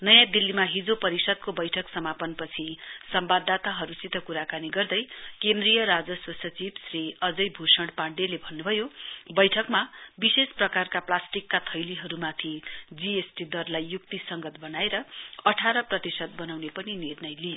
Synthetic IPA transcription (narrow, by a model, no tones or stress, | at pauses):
nʌjãd̪ilːimaɦid͡zopʌɾisʌd̪̚kobʌjʈʰʌksʌmapʌnpʌt͡sʰisʌmbad̪ːat̪aɦʌɾut͡sit̪ʌkuɾakaniɡʌrd̪ʌjkend̪rijʌɾad͡zʌswʌsʌt͡sibsriʌd͡zʌjbʱusʌɳɽɖpaɳɖelebʱʌnːubʱʌjobʌjʈʰʌkmabisesprʌkarkaplasʈikːat̪ʰʌjliɦʌɾumat̪ʰid͡ziesʈid̪ʌrlajːuk̚t̪isʌŋɡʌt̪̚bʌnaeɾʌʌʈʰaɾʌprʌt̪isʌd̪̚bʌnawnepʌninirnʌjlijo